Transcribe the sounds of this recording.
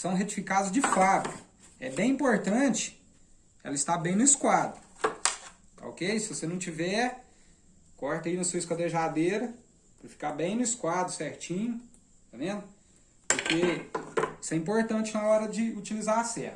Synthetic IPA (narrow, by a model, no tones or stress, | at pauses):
sɐ̃w̃ɦet͡ʃi̥fikad̪ʊzd͡ʒɪfabkɐ | ɛ̰bẽj̃ĩpoɾt̪ɐ̃t͡ʃɪ̥ | ɛ̰lɐist̪abẽj̃nʊiskwad̪ɾʊ | t̪a̰o̰kejsɪvosenɐ̃w̃t͡ʃivɛ | kɔɾt̪ɐinɐsuɐiskwɐd̪eʒad̪eɾɐ | pɾɐfi̥kabẽj̃nʊiskwad̪ɾʊsɛɾt͡ʃĩɲʊ | t̪avẽnd̪ʊ | pʊɾke | i̥sɛĩpoɾt̪ɐ̃t͡ʃɪnɐɔɾɐd͡ʒɪut͡ʃilizaɾasɛ̰ɾt̪